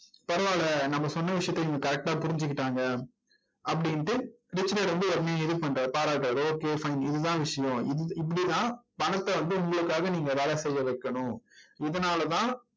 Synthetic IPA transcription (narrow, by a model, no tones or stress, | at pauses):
pɐɾɐʋaːlɐnɐmːɐsɔnːɐʋɪʂɐjɐt̪ːɐɪŋɡɐkɐɾɛk̚ʈaːpʊɾɪɲd͡ʒɯkːɪʈːaːŋɡɐ | ɐpːɐɽɪnʈːɯ | ɾɪt͡ʃːɪneɾɛnd̪ɯɔɾmejãɪðɯpɐɳɾɐpaːɾaːʈːɐɾoːkeːfɐɪnɪðɯt̪ãːʋɪʂɐjʊ̃ɪðɯɪp̬ːɐɽit̪ãːpɐnɐt̪ːɐʋɐnd̪ɯʊŋɡɐɭɯkːaːɣɐniːŋɡɐʋɛːɭɐsɛjːɐʋɛɪkːɐɳʊ̃ɪðɐnaːlɐt̪ãː